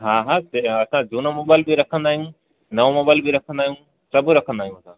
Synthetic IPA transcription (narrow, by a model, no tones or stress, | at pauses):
ɦaːɦaeɐsãd͡ʑuːnamoːbaːɪlbɪɾɐkʰə̃nd̪aːɦijũ | nɐʋomoːbaːɪlbɪɾɐkʰə̃nd̪aːɦijũ | sɐbʊɾɐkʰə̃nd̪aːijũɐsã